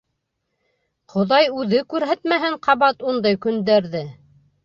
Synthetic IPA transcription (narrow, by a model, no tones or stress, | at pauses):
qʰŏðɑjʉðɘkʉɾɦæt̪mæɦɘɴqʰɑβɑt̪und̪ɑjkɵ̆nd̪æɾðɘ